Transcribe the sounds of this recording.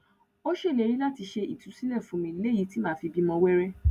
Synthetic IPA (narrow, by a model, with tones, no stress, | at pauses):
o˦ʃe˦˨le˨˧ɾ̃ĩ˦la˦˨ti˧ʃe˧i˨tũ˨˦sĩ˦nɛ̃˦˨fũ˧˦mĩ˧˦le˦˨ji˧˦ti˨˦mãː˦˨fi˧bi˦mɔ̃˧wɛ˦ɾɛ˦